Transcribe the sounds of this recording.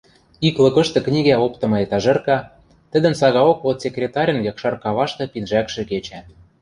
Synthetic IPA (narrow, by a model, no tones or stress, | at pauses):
iklɤ̆kɤ̆ʃt̪ɤ̆knʲiɣæopt̪ɤ̆mɤ̆et̪ɑʒɤ̆rkɑ | t̪ə̆d̪ə̆nsɑɣɑokot̪sʲekɾʲet̪ɑɾʲə̆njɑkʃɑrkɑβɑʃt̪ɤ̆pinʒækʃĕket͡ɕæ